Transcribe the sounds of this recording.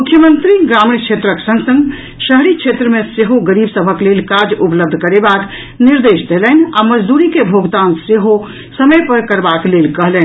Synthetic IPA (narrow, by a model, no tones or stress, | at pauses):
mukʰjəmənt̪ɾiɡɾamnkt͡ʃʰet̪ɾəksə̃ŋɡsə̃ŋɡ | ʃəɦɽikt͡ʃʰet̪ɾəmeseɦoɡəɾibsəbʱəklelkad͡ʒupləb̚d̪ʱkəɾebak | niɾd̪esd̪ʱelɛnaməd͡ʒd̪uɾikebʱoɡt̪anseɦo | səməjpəɾkəɾbaklelkəɦlɛn